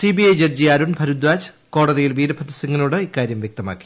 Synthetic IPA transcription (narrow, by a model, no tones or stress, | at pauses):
sibiɐjd͡ʑerd͡ʑiɐɾuɳbʱɐɾud̪ʋaːd͡ʑ | ko̞ːɽɐðijilʋiːɾɐbʱɐd̪ɐsɐŋːɐnoːɽɨikːaːɾjɐmʋjek̚t̪ɐma̰ːkːi̥